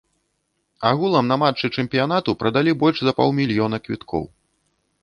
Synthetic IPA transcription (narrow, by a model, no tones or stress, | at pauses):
aɣulˠɐmnɐmat͡ʂːɨt͡ʂɛmpʲijan̪at̪upɾɐd̪alʲibɔlʲʂzɐpɔ̰wˠmʲilʲjɔn̪ɐkvʲit̪kʰɔ̰w